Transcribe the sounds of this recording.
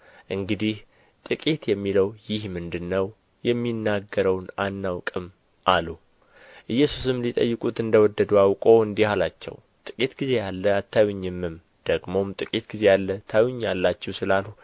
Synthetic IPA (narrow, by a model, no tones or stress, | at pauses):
ʔɨŋɡɨd̪ih | t̪ʼɨkʼit̪jɛmːiləwjɪhmɨnd̪ɨnːəw | jɛmːinːaɡːəɾəwnanːawkʼɨm | ʔalu | ʔɨjːɛsusɨmlit̪ʼə̰jːɨkʼut̪ɨnd̪əwɔd̪ːəd̪uawkʼo̞ɨnd̪ihalat͡ʃːɛ̰w | t̪ʼɨkʼit̪ɡize̞jalːəat̪ʰːajuɲːɪmːɨm | d̪̥əɡmo̞mt̪ʼɨkʼit̪ɡize̞jalːət̪ʰajuɲːalːat͡ʃːɛwsɨlalhu